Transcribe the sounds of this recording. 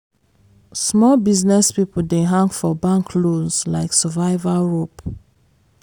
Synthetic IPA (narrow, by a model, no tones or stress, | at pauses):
smɔlbiznɛspipl̩deɦãŋɡfɔbãŋkʰlozlaɪksəvaɪvaɹop